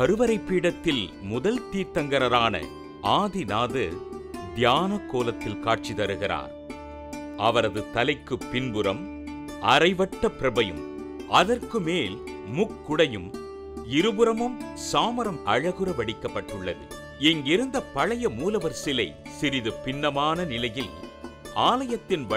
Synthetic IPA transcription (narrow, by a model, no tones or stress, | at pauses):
kɐɾɯʋɐɾɐɪpːiːɽɐt̪ːɪlmʊðɐlt̪iːt̪ːɐŋɡɐɾɐɾaːnɐ̰ | ʔaːðɪnaːðɯ̰d̪jaːnɐkːoːlɐt̪ːɪlkaːʈ̚t͡ʃit̪ɐɾɯɣɪɾa̰ːɾ | ʔɐʋɐɾɐðɯt̪ɐlɐɪkːɯpːɪnbɯɾɐm | ʔɐɾɐɪʋɐʈːɐpːɪɾɐbɐjɯ̰m | ʔɐðɐrkɯmeːl | mʊkːʊɽɐjɯm | ɪɾɯbɯɾɐmɯmsaːmɐɾɐmɐɻɐɣɯɾɐʋɐɽɪkːɐpːɐʈːɯɭːɐðɯ̰ | ɛŋɡɪɾɯnd̪ɐpɐɻɐjɐmuːlɐʋɐɾsɪlɐɪsɪɾɪðɯpɪnːɐmaːnɐnɪlɐjɪlaːlɐjɐt̪ːɪnʋɐ